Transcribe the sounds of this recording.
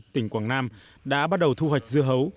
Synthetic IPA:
t̪ï˨˧˩ŋ̟kwaː˧˩ŋnaː˧m | ɗa̰ː˧˥ɓaː˦˥t̚ɗə˨˩wt̪ʰu˧ɦwa˨˩jk̚zɨ˧əɦə˨˦w

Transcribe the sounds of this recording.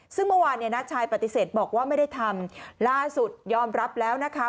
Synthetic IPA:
sɯ˥˩ŋmɯ˥˩waː˧nːi˥˩ənaː˦˥t͡ɕʰaː˧jpa˨˩t̪ːi˨˩seː˨˩t̪̚bɔː˨˩k̚waː˥˩ma˥˩jda˥˩jt̪ʰa˧mlaː˥˩su˨˩t̪̚jɔː˧mɾa˦˥p̚lɛː˦˥wna˦˥kʰa˦˥

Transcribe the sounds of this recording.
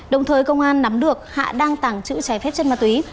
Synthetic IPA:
ɗə˨˩wŋ͡mt̪ʰəː˨˩jkə˧wŋ͡mʔaː˧nːa˨˦mɗɨ˨˩ək̚ha̰ː˧˨ɗaː˧ŋt̪aː˧˩ŋt͡ɕɨ̰˧˥t͡ɕaː˧˩jfɛ˦˥p̚t͡ɕə˧nmaː˨˩t̪wi˨˦

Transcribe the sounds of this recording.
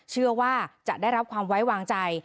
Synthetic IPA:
t͡ɕʰɯ˥˩ɐwaː˥˩t͡ɕa˨˩daː˥˩jɾa˦˥p̚kʰwaː˧mwa˦˥jwaː˧ŋt͡ɕa˧j

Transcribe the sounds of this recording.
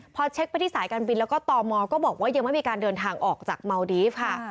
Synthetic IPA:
pʰɔː˧t͡ɕʰe˦˥k̚pa˧jt̪ʰiː˥˩saː˩˦jkaː˧nbi˧nlɛː˦˥wkɔː˥˩t̪ɔː˧mɔː˧kɔː˥˩bɔː˨˩k̚waː˥˩ja˧ŋma˥˩jmiː˧kaː˧ndɤː˧nt̪ʰaː˧ŋʔɔː˨˩k̚t͡ɕaː˨˩k̚ma˧wdiː˦˥fkʰa˥˩

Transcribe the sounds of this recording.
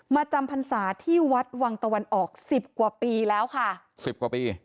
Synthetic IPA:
maː˧t͡ɕa˧mpʰa˧nsaː˩˦t̪ʰiː˥˩wa˦˥t̪̚wa˧ŋt̪a˧wa˧nʔɔː˨˩k̚si˨˩p̚kwa˨˩piː˧lɛː˦˥wkʰa˥˩ | si˨˩p̚kwaː˨˩piː˧

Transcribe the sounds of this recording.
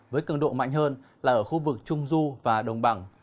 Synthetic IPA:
vəː˨˦jkɨ˧˩nɗo̰˧˨nma̰˧˨jŋ̟ɦəː˧nlaː˨˩ʔəː˧˩xu˧vɨ˨˩k̚t͡ɕʊ˧ŋ͡mzu˧vaː˨˩ɗə˨˩wŋ͡mɓa˧˩ŋ

